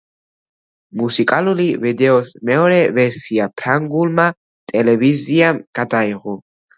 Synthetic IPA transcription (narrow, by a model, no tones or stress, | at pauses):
musikʼalulivɛd̪ɛɔsmɛɔɾɛvɛɾsiapʰɾaŋɡulma | t̪ʼɛlɛviziamɡ̥ad̪aiʁɔ